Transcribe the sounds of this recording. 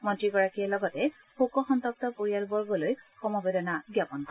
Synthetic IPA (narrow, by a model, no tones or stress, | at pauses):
mɔntɹiɡɔɹakiɛlɔɡɔtɛ | xokɔxɔntɔk̚tɔpoɹijalbɔɹɡɔlojxɔmɔbedɔnaɡjapɔnkɔ